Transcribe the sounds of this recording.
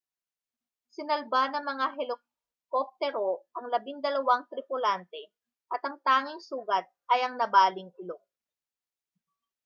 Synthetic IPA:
sɪnɐlbanɐŋmɐŋaɦɛlɪ | kop̚t̪ɛɾoʔɐŋlɐbɪŋd̪ɐlɐwaŋt̪ɾɪpʊlant̪ɛ | ʔɐt̪ɐŋt̪aːŋɪŋsuːɡɐt̪̚ʔɐjɐŋnɐbaːlɪŋpɪlok

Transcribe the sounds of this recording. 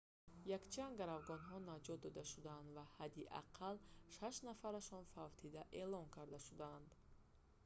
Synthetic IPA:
jakt͡ʃʰanɡaɾavɡɔnɦɔnad͡ʒɔt̪̚d̪ɔd̪aʃud̪aand̪vahad̪iʔa̰qʰalʃaʃnafaɾaʃɔnfavt̪ʰid̪aʔe̞lɔŋkʰaɾd̪aʃud̪aːnd̪

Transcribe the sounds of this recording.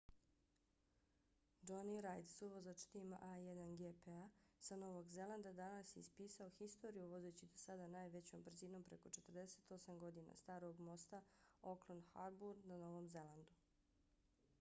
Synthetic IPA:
d͡ʒoniɾajd̪suʋozat͡ʃt̪ima̰ʔajed̪anɡepeasano̞ʋoɡze̞lˠand̪ad̪anasjeispiːsaoxist̪o̞ɾijuʋo̞zet͡ɕid̪osad̪anaːjʋe̞t͡ɕo̞mbr̩ziːno̞mpɾe̞ko̞t͡ʃe̞t̪r̩d̪ese̞t̪o̞samɡo̞d̪ina̰st̪aːɾo̞ɡmo̞st̪aoklˠond̪xaɾbuɾd̪nano̞ʋo̞mze̞lˠand̪u

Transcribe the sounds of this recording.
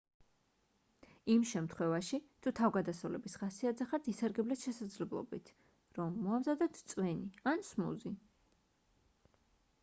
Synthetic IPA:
imʃɛmt̪ʰχwɛvaʃit̪ʰut̪ʰavɡad̪asɔlɛ̰bisχasiad̪zɛχat̪ʰisaɾɡɛblɛsʃɛsad̪zlɛblˠɔ̰bit̪ʰ | ɾɔmːɔamzad̪ɛt̪ʰt̪sʼwɛniansmṵzi

